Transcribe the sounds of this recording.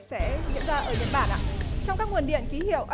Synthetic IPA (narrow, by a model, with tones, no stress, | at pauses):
sɛ̰˧˥zḭ˧˥ənzaː˧ʔəː˧˩ɓi˨˦ənɓaː˧˩nʔa̰˨t͡ɕɔ˧wŋ͡mkaː˦˥k̚wə˨˩nɗḭ˧˨ənki˨˦hḭ˧˨əwʔə˧